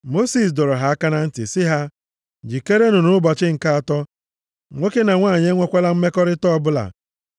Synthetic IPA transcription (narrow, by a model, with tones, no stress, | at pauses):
mo˦si˨s̬dɔ˨ɾɔ˨ɦa˨a˦ka˦na˦n̩˦tɪ̰˨sɪ˦ɦa˦ | d͡ʒi˨ke˦ɾe˦nu˨nʊ˦bɔ˨t͡ʃɪ˦ŋ̩˨ka˦a˨tɔ˦ | ŋʷe˦ke˦na˨ŋʷaː˦˨ɲe˦ŋʷe˦kʷe˦la˦m̩˦me˦kɔ˦ɾɪ˦tɔ˦˨bʊ˦la̰˨